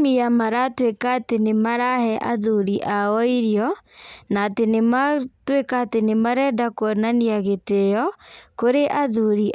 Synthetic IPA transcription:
ijamaɾatwekaːtenemaɾahɛʔa̰ðuɾiʔaɔiɾjɔnaːtenematwekaːtenemaɾɛdakoɔnaniaɣetejɔkoɾeʔaðuɾi

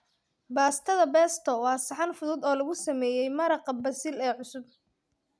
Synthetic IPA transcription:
baːst̪ʰɐðɐbɛːst̪ʰɔwɑːsɑħɑnfʊðʊːd̪ɔːlɐɣʊsɐmɛːjɛjmɐɾɐqɐbɐsɪlɛːʕʊsʊb̚

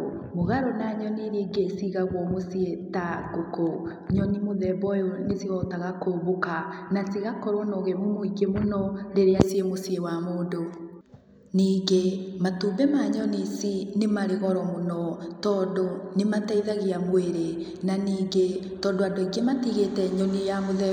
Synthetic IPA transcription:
moɣaɾonaɲɔniɾiːɡesiɣaɣwɔmosietaɡoko | ɲɔnimoðɛbɔjonesiɣɔtaɣakoβokanasiɣakɔɾɔnoɣemomoiɡemonɔɾeɾeasiemosiewamoːdo | niːɡematuːbɛmaɲɔnisinemaɾeɣɔɾɔmonɔtɔːndonemataiðaɣiamoeɾe | naniːɡe | tɔːndoadoeɡematiɣetɛɲɔnijamoðɛ

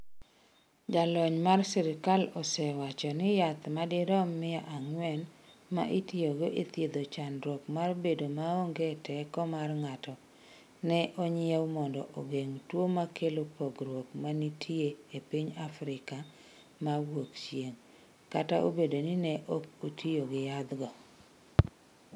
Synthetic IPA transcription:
d͡ʒalɔɲmarsɛɾɪkalɔsɛwat͡ʃɔnɪjat̪madɪɾɔmːɪaʔaŋwɛnma̰ʔitioɡoʔet̪jed̪ot͡ʃanɾwɔkmarbedomaoŋɡetʰɛkɔmarŋatɔ | nɛʔɔɲɪɛwmɔndɔ̰ʔoɡeŋtwomakelopoɡɾwokmanitʰieepiɲafɾɪka | mawwokt͡ʃjeŋ | kataʔo̰bedonɪnɛʔokotʰioɡɪjat̪ɡɔ

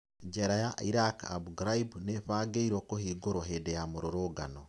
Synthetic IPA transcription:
ɲd͡ʒeɾajaiɾaka̰buɡɾaibneɸaːɡeiɾokohiːɡoɾwoɦedejamoɾoɾoːɡa̰no

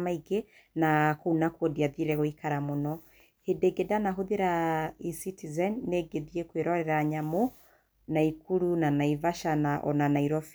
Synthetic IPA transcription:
maiɡe | nakonakwodiaðiɾɛɣoikaɾamonɔ | hedeɡedanaɦoðeɾaisitizɛnːeɡeðiekweɾɔɾɛɾaɲamo | naikuɾunanaivaʃanaʔɔ̰nanaiɾɔf

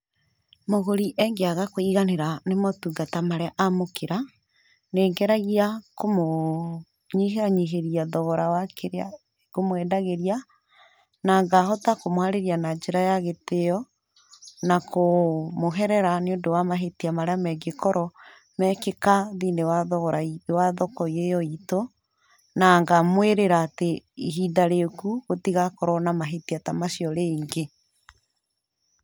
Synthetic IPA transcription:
moɣoɾiʔɛŋɡeaɣakoiɣaneɾanemɔtuŋɡatamaɾeaʔamokeɾa | neːŋɡɛɾaɣiakomo | ɲiɦeaɲiɦeɾiaðɔɣɔɾawakʰeɾea̰ | komoɛdaɣeɾia | naŋɡahɔtakomwaɾeɾianad͡ʒeɾajaɣeteɔ | nakomoɦɛɾɛɾaneondowamaɦetiamaɾeamɛɡekɔɾɔ | mɛkekaðinewaðɔɣɔɾaiwaðɔkɔiejɔito | naŋɡamweɾeɾaːteiɦidaɾekuɣotiɣakɔɾɔnamaɦetiatamasiɔɾeiŋɡe

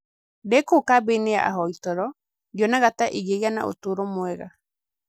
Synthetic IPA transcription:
dekoːkabenea̰ʔa̰ɦɔitɔɾɔ | d͡ʒonaɣataʔiɣejana̰ʔo̰toɾomwɛɣa̰

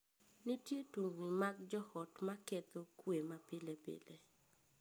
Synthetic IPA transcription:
nitjetuŋɡnimakd͡ʒɔhɔtmaket̪okwemapɪlepḛle

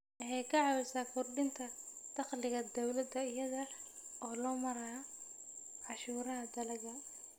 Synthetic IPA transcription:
ʔɐhɛjkʰɐʕɑwɪsaːkʰʊrɖɪnt̪ʰɐd̪̥ɑqlɪɣɐd̪ɔwlɐd̪ɐɪjɐðɐ | ɔːlɔːmɐɾɐ | ʕɑʃuːɾɐɦɐd̪ɐlɐɣɐ

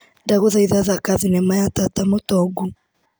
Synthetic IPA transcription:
ndaɣoðaiðaðakaðinɛmajatatamotɔɡu

